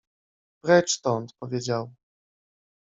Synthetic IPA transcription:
pɾɛt͡ʂt̪ɔnt̪pɔvʲjed͡ʑaw

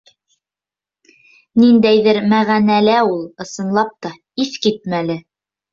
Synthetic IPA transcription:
nind̪æjðɘɾmæʁænælæulˠɤ̆sɤ̆nlˠɑp̚t̪ɑ | iθkit̪̚mælɘ

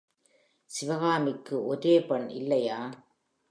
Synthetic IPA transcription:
sɪʋɐɣaːmɪkːɯʔɔɾeːpɐɳɪ̰lːɐjaː

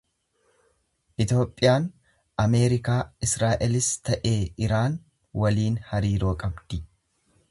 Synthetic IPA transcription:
ʔɪt̪o̞ːpʼːɪjaːn | ʔɐme̞ːɾɪkaːɪsɾaːʔɛlɪst̪ɐʔe̞ːɪɾaːn | wɐliːnhɐɾiːɾo̞ːkʼɐbd̪̥ɪ

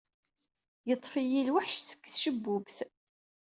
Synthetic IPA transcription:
jət̪ˤːfijilwaħʃsə̥kːθʃəbːʊbθ

